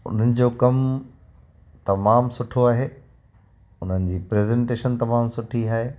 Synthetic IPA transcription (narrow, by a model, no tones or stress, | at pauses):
ʊ̰n̤ənɪ̆d͡ʑoːkɐm | t̪ɐmaːmsʊʈʰoaːɦeː | ʊn̤ənɪ̆d͡ʑiːpɾeːzɛ̃ːɳʈeːʃənt̪ɐmaːmsʊʈʰiaːɦeː